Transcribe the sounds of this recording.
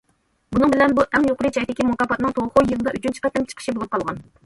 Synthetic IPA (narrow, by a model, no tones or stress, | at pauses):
bunɨŋbɪlɛnbuʔɛŋjoqlˠɨt͡ʃʰɛjd̪ɪkʲimuk̪ɑpɑt̪nɨŋt̪ʰoʁχʊjɨnɨd̪ɑʔyt͡ʃynt͡ʃʰi̥qɛt̪ːɪmt͡ʃʰə̥qʰəʃibolˠup̚qʰɑlˠʁɑn